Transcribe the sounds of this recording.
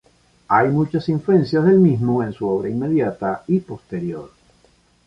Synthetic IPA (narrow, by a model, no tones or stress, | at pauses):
ajmut͡ʃasiɱfluẽ̞nsjazðe̞lmizmoe̞nsuoβɾainme̞ðjat̪aipo̞st̪e̞ɾjo̞̰ɾ